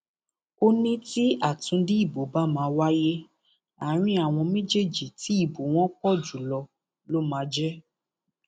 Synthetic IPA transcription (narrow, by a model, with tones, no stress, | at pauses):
o˦nĩ˦ti˦a˦˨tũ˨˧˦dĩ˦i˦˨bo˨˦ba˦mãː˨˦wa˦je˦ | a˨˦ɾ̃ĩ˦a˨w̃ɔ̃˧mẽ˦d͡ʒe˦˨d͡ʒi˨ti˨˦i˦˨bo˨w̃ɔ̃˦kɔ˦˨d͡ʒu˨˦lɔ˧ | lo˦mãː˨˧˦d͡ʒɛ˦